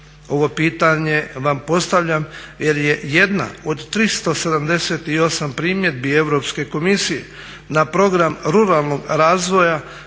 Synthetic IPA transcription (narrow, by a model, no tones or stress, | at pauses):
o̞ʋo̞piːt̪aɲe̞ʋampo̞st̪aʋʎamje̞ɾje̞je̞d̪na̰od̪t̪ɾist̪o̞se̞d̪amd̪e̞se̞t̪io̞sampɾiːmje̞d̪bie̞ʋɾo̞pske̞ko̞misije̞̰ | napɾo̞ɡɾamɾuɾalˠno̞ɡɾaːzʋo̞ja